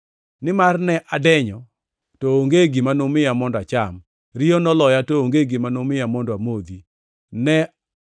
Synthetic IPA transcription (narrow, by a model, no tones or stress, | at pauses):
nɪmarnɛʔadɛɲɔ | tɔoŋɡeɡimanomɪjamɔndat͡ʃam | ɾɪjɔnɔlɔjatooŋɡeɡɪmanomɪjamɔndamod̪i | nɛ